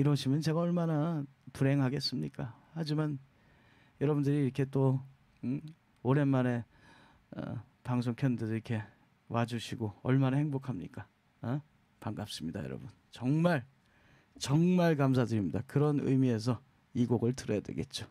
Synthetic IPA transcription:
iɾʌɕʰimjʌnt͡ɕe̞ɡaʌɭmana | puɾe̞ŋɦaɡe̞s͈ɯmɲik͈ahad͡ʑiman | jʌɾʌbundɯɾiːɾʌkʰe̞t͈o | oɾe̞nmane̞ | ʌ̰ | paŋs̬ʰoŋkʰjʌndɯdiɾkʰe̞ | wad͡ʑuɕʰiɡoʌ̰ɭmanahe̞ŋbokʰamɲḭk͈a | paŋɡap̚s͈ɯmɲida̰jʌɾʌ̰bun | t͡ɕʌŋmaɭ | t͡ɕʌŋmaɭkams̬ʰadɯɾimɲidakɯɾʌnɯ̰jmie̞s̬ʰʌ | iɡoɡɯɭtɯɾʌjadwḛɡe̞t̚t͡ɕ͈o

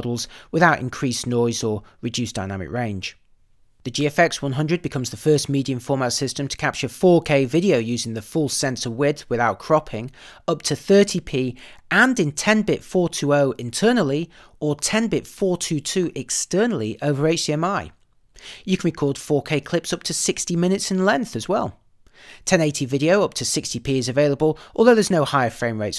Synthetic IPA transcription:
ɾl̩ˠz̥wɪðaʊɾɪ̰̃nkʰɹ̥isnɔɪzəɹɨdʉˑsd̥aɪ̃na̰mɪ̰kɹẽɪ̃nʒ̥ | ðɨd͡ʒiɛfɛkswʌ̃nɦʌ̃ndɹɨd̚bɨkʰʌ̃mzðəfɜˑ˞smidiɨ̃ɱfɔɹmatsɪstə̃mtʰə̥kʰap̚t͡ʃə˞fɔɹkʰeɪvɪɾioʊjʉzɪ̃ŋðɨfʊlˠsɛ̃nsəwɪdwɪðaʊt̚kʰɹ̥ɑpʰɪ̃ŋʌp̚tʰɨθɜˑ˞tʰipʰiːə̃ndɨ̃ntʰɛ̃nbɪtfɔːɹtʰʉoʊɪ̃ntʰɜ˞nl̩ˠiʔə˞tʰɛ̃nbɪtfɔɹtʰʉtʰʉːʔɛkstɜ˞nl̩ˠiʔoʊvə˞eɪt͡ʃiɛ̃maɪ | jɨkʰə̃nbikʰɔlˠd̥fɔɹkʰeɪkʰl̥ɪpsʌp̚tʰɨsɪkstimɪ̃ñɪtsɨ̃nlɛ̃nθɨzwɛlˠ | tʰɛ̃neɪtʰivɪɾioʊʌp̚tʰɨsɪkstipʰiɨzɨveɪlˠəbəlˠʔɔlˠðoʊðə˞znoʊhaɪə˞fɹẽɪ̃mɹeɪts

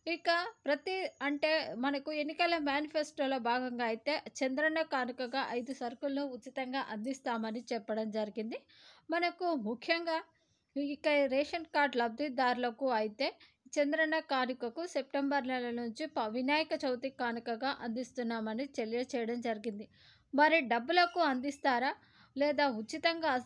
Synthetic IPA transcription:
ikɐpɾɐt̪iɐɳʈe̞ːmɐnɐkue̞nːikɐlɐmjaːnipʰesʈo̞ːloːbʱaːɡɐŋɡaːɐjit̪e̞ːt͡ʃend̪ɾɐɳɐkaːnikɐɡaːʔɐjd̪usɐɾkulɐnuut͡ʃːit̪ɐŋɡaːʔɐnd̪ist̪aːmɐnit͡ʃɛpːɐɽɐmd͡ʒɐɾiɡind̪i | mɐnɐkumukʰjɐŋɡaː | ikːɐɾɛːʂɐnkaːɾɖlɐb̚d̪id̪aːɾulɐkuɐjit̪e̞ː | t͡ʃend̪ɾɐɳɐkaːnikɐkuse̞p̚ʈembɐɾnɛlɐnuɲt͡ʃipɐɐʋinaːjɐkɐt͡ʃɐwt̪ikaːnikɐɡaːʔɐnd̪ist̪unːaːmɐnit͡ʃelijɐt͡ʃɛːjɐɽɐmd͡ʒɐɾiɡind̪i | mɐɾiɖɐbːulɐkuɐnd̪ist̪aːɾaː | lɛːd̪aːut͡ʃːit̪ɐŋɡaː

